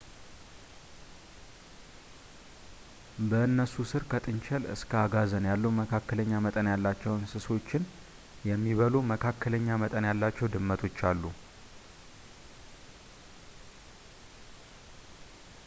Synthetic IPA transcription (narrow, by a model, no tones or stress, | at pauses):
bəɨnːəsusɨɾkʰət̪ʼɨnt͡ʃʰɛlɨ̰skʰəaɡazənjalːuməkʰakːələɲːamət̪ʼənjalːat͡ʃːɛwnsɨso̞t͡ʃːɪn | jɛmːiβəluməkʰakːələɲːamət̪ʼənjalːat͡ʃːɛwd̪ɨmːət̪ʰo̞t͡ʃːalːu